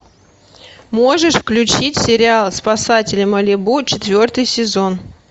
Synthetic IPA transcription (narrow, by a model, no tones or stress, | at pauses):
moʐɨʂfklʲʉt͡ɕitʲsʲɪɾʲɪalˠspɐsatʲɪlʲɪmɐlʲɪbut͡ɕɪt̪vʲo̞rt̪ɨjsʲɪzo̞n